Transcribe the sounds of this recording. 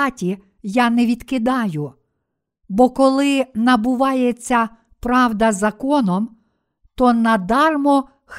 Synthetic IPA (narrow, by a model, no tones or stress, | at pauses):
tʲi | jɑnɛʋʲid̪kɪd̪ɑjʊ | bɔkɔlˠɪnɐbʊʋɑjet͡sʲːɐ | pɾɑʋd̪ɐzɐkɔnɔm | t̪ɔnɐd̪ɑrmɔ | x